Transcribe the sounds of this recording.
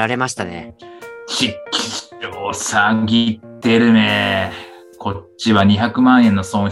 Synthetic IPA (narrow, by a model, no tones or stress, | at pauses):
aɾe̞maɕi̥t̪anḛɕikʲʰːi̥oːsaŋɡʲit̪ːe̞ɾɯ̟ne | kʰo̞ɕiβaɲ̟içakɯ̟mãɰ̃ẽ̞nːo̞sõɰ̃